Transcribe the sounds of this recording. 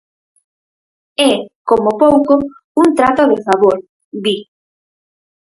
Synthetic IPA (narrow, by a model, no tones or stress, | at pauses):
ɛkomopowko | uŋt̪ɾat̪oðɪfaβoɾ | bi